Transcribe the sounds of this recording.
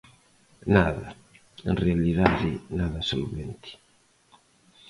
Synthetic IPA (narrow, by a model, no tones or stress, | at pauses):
naːða | inrɛaliðaðinaːðasoluβɛnt̪ʰi̥